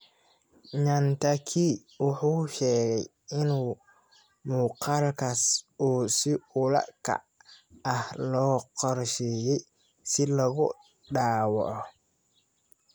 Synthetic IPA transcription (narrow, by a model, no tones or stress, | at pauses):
ɲɐnt̪ʰɐkʰiː | wʊħuːʃɛːɣɛj | ɪnuː | muːqɑlkʰɐsuːsɪʊlɐ̰kʰɐ̰ | ɐhlɔːqɔrʃɛjɛj | sɪlɐɣʊ | ɖaːwɑ̰ʕɔ